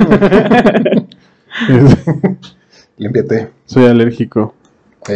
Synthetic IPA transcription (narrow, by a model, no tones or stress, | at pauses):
es | limpjat̪e | so̞jaleɾxiko